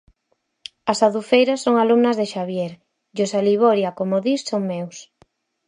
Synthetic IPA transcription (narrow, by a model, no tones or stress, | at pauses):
asaðufejɾasoŋalumnɐzðeʃaβjeɾ | josaliβoɾjakomoðissoŋmews